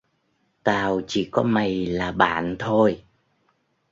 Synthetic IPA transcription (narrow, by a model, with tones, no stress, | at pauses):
t̪aː˨˩wt͡ɕḭ˧˩kɔ˨˦ma˨˩jlaː˨˩ɓa̰ː˧˨nt̪ʰo˧j